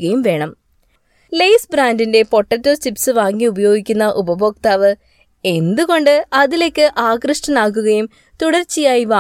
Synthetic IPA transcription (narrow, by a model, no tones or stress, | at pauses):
ɣɐjumʋe̞ːɳɐm | lejsbɾaːndinde̞po̞ʈːɐtːot͡ɕipsɨʋaːŋːiubɐjo̞ːɡikʲːunːɐʔubɐboːk̚t̪aːʋɨ | e̞nd̪uɣo̞ɳɖɨɐðile̞kːɨʔaːɡrɨʂʈɐnaːk̬ːuɣɐjum | t̪uɽɐrt͡ɕːijaːjiʋaː